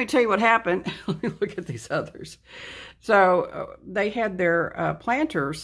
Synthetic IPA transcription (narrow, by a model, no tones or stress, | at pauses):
mitʰɛlˠjɨwʌt̚ɦæpɨ̃ndlɛtmilʊkʰɨt̪̚ðiz̥ʌðə̰˞z̥soʊ̰ðeɪɨd̪̚ðə˞pʰl̥æ̃ntʰə˞z̥